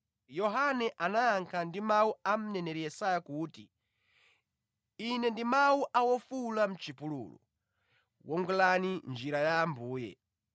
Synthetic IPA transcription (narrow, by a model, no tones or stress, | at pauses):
jɔɦanɛʔanaːŋkʰandimauam̩nɛnɛɾijɛsajakuːti | inɛndimauʔawɔfulam̩t͡ʃipulṵlɔ̰ | wʔɔŋɡɛlanind͡ʒiɾajaːmbuːjɛ̰